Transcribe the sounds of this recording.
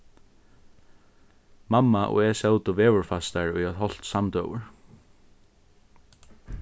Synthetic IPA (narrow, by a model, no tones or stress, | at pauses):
mamːaʔɔ̰ɛsɛwt̪ʊʋɛːvʊɹfast̪aɹʊjaðɦɔl̥t̪samt̪œ̰wʊ̰ɹ